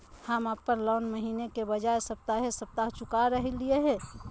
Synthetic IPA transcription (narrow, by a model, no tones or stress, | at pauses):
həmapːəɾlɔːnməɦiːnekebəd͡ʒaesəp̚t̪aɦesəp̚t̪aɦt͡ʃʊkaɾəɦelieɦɛ̃ː